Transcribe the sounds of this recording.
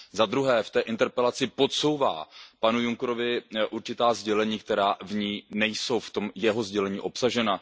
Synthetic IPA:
zad̪ɾuɦɛːft̪ɛːʔɪnt̪ɛɾpɛlat͡sɪpo̞t̪so̞wva̰ːpanujuŋkɾovɪʔuɾt͡ʃɪt̪aːzɟɛlɛɲiːk̚t̪ɛɾaːvɲiːnɛjso̞wft̪o̞mjɛɦo̞zɟɛlɛɲiːʔo̞psaʒɛna

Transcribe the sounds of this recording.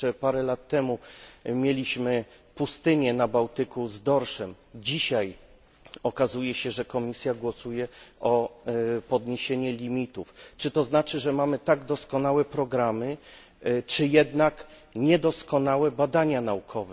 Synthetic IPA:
ɛpaɾɛlat̪ːɛmumʲjelʲiɕmɘ | pust̪ɘɲɛnabawt̪ɘkuzd̪ɔɾʂɛm | d͡ʑiɕaj | ɔkazujɛɕɛʐɛkɔmʲisʲjaɡwɔsujɛʔɔ | pɔd̪ɲeɕeɲɛlʲimʲit̪uft͡ʂɘt̪ɔznat͡ʂɘʐɛmamɘt̪aɡd̪ɔskɔnawɛpɾɔɡɾamɘ | t͡ʂɘjɛd̪nak | ɲɛd̪ɔskɔnawɛbad̪aɲanaukʰɔvɛ

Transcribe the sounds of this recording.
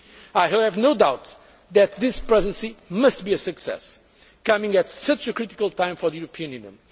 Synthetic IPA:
ajˠɛvnoʊd̪awt̪ | ðɨt̪̚ðɪspɹɛzɨ̃nsimʌst̪̚biɨsɨksɛ̰s | kʌmɪ̃ŋɡɨt̪sʌt͡ʃɨkɹit̪i̥kəlˠt̪ʰãɪ̃mfɔ˞ðɨjuɾɨpʰiɨ̃njʉ̃njɨ̰̃n

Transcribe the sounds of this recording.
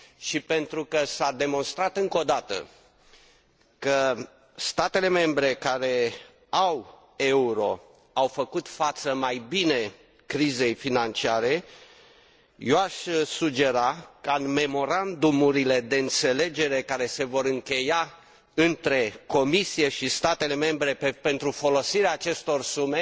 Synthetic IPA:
ʃipe̞nt̪ɾukəsad̪e̞mo̞nst̪ɾat̪ɨŋko̞d̪at̪ə̰ | kə | st̪at̪e̞le̞me̞mbɾe̞kaɾe̞ | aw | e̞uɾo̞̰ | awfəkut̪fat̪səmajbine̞ | kɾize̞jfinant͡ʃiaɾe̞ | joaʃsud͡ʒe̞ɾakəanme̞mo̞ɾand̪umuɾile̞d̪e̞ɨnt̪se̞le̞d͡ʒe̞ɾe̞kaɾe̞se̞vo̞ɾɨŋkʲe̞ja | ɨnt̪ɾe̞ko̞misije̞ʃist̪at̪e̞le̞me̞mbɾe̞pepe̞nt̪ɾufo̞lo̞siɾeaːt͡ʃe̞st̪o̞rsume̞

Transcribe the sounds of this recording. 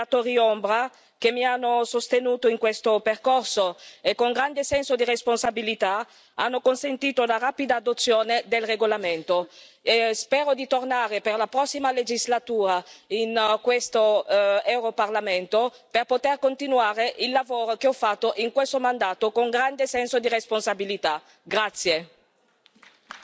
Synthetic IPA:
at̪oːɾiombɾa | kemːianːosost̪enuːt̪oiŋkwest̪operkorsoekːoŋɡɾand̪esɛnsod̪iresponsabilit̪a | a̰nːokonsent̪iːt̪onaraːpid̪aːd̪ot̪sːjoːned̪elreɡolament̪oespɛːɾod̪it̪ornaːɾeperlapɾɔsːimaled͡ʒizlat̪uːɾainkwest̪oɛwɾoparlament̪o | perpot̪erkont̪inwaːɾeʔilːavoːɾokeɔfːat̪ːoʔiŋkwest̪omand̪aːt̪okoŋɡɾand̪esɛnsod̪iresponsabilit̪a | ɡɾat̪sːje

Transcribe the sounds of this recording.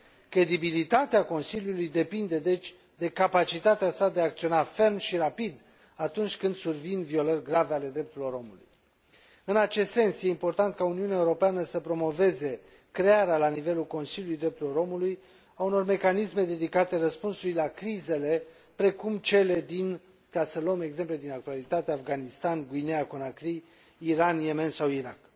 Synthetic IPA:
kɾe̞d̪ibilit̪at̪eako̞nsilʲjulujd̪e̞pind̪e̞d̪e̞t͡ʃʲ | d̪e̞kapat͡ʃit̪at̪easad̪e̞aːk̚t̪sio̞nafe̞rmʃiɾapid̪ | at̪unt͡ʃʲkɨnd̪survinvio̞lərʲɡɾaveale̞d̪ɾe̞p̚t̪uɾilo̞ɾo̞mulṵj | ɨnat͡ʃe̞st̪se̞nsje̞impo̞rt̪ant̪̚kauniuneaeuɾo̞peanəsəpɾo̞mo̞ve̞ze̞ | kɾe̞aɾealanive̞lulko̞nsiljulujd̪ɾe̞p̚t̪uɾilo̞ɾo̞muluj | auno̞rme̞kanisme̞d̪e̞d̪ikat̪e̞rəspunsujlakɾize̞le̞ | pɾe̞kumt͡ʃe̞le̞d̪in | kasəlome̞ɡze̞mple̞d̪inak̚t̪ualit̪at̪eafɡanist̪anɡuineakonakɾiː | ɾanje̞me̞nsawiɾak

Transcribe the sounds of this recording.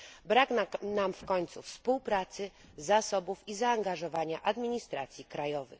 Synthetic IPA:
bɾaɡnamfkɔɲt̪sṵfspuwpɾat̪sɘ | zasɔbufizaːŋɡaʐɔvaɲaʔad̪mʲiɲist̪ɾat̪sʲjikɾajɔvɘ̰x

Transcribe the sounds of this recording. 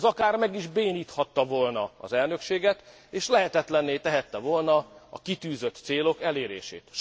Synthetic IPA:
zɒkaːrmɛɡiʒbeːniːt̪hɒt̪ːɒvolnɒɒ̰zɛlnø̞kʃeːɡɛt̪ | eːʃlɛɦɛt̪ɛt̪lɛnːeːt̪ɛɦɛt̪ːɛvolnɒɒ̰kit̪yːzøt̪seːlo̞kɛleːɾḛːʃḛːt̪ʃ

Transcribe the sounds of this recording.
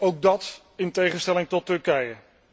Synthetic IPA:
owk̚dɑt | ɪntejχənstɛlɪŋtɔtːɵɹkɛjə

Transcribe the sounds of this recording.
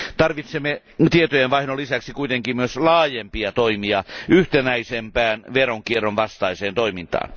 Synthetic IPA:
t̪ɑrʋit̪semːe | t̪iet̪ojenʋɑihnolisæksikuit̪eŋkimmyøslɑːjempiɑt̪oimiɑyht̪enæisempæːnʋeroŋkierːonʋɑst̪ɑiseːnt̪oimint̪ɑ̰ːn

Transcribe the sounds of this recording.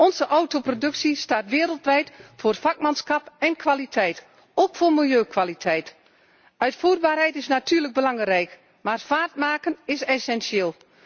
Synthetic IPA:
ɔnzəʔɔwtoprodɵksistaːtʋɪːəɾəlˠtʋɛjtfoːrfɑk̚mansxɑpɛnkʰʋalitʰɛjt | okfoːrmɪlˠjøːkʋalitʰɛjt | œɥtfuːrbaːrɦɛjtɪsnatyːrləɡ̚bəlɑŋrɛjk | maːrfaːrt̚maːkənɪsɛsɛnsjeːlˠ

